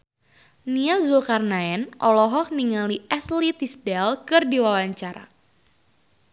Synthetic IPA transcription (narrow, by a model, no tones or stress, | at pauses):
niazulkarnaɛnʔɔlɔɦɔk̚niŋaliʔɛslit̪isdɛlkɨrdiwawaɲt͡ʃaɾa̰